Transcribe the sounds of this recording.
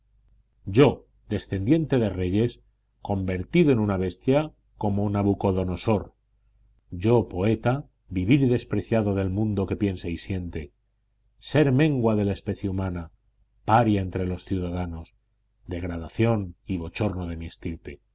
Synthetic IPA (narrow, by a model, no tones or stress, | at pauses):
ɟ͡ʝo̞ | ðe̞sθe̞nd̪je̞nt̪e̞ðe̞re̞ʝe̞s | ko̞mbe̞ɾt̪iðoe̞nunaβe̞st̪ja | ko̞monaβuko̞ðo̞no̞so̞ɾ | ɟ͡ʝo̞po̞e̞t̪a | βiβiɾðe̞spɾe̞θjaðo̞ðe̞lmũnd̪o̞ke̞pje̞nseisje̞nt̪e̞ | se̞ɾmẽ̞ŋɡwaðe̞laespe̞θjeumãna | paɾjae̞nt̪ɾe̞lo̞sθjuðaðano̞s | d̪e̞ɣɾað̞aθjo̞niβo̞t͡ʃo̞ɾnoðe̞mjest̪iɾt̪e